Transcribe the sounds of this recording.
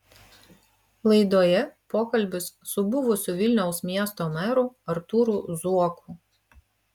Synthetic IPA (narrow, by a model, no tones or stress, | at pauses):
lˠɐɪd̪oːjɛpoːkɐlʲˑbʲɪsːʊbʊʋʊsʲuʋʲɪlʲnʲɛʊsmʲiɛst̪oːmʲɛɾʊɐɾt̪uːɾuːˑzuɔkʰuːˑ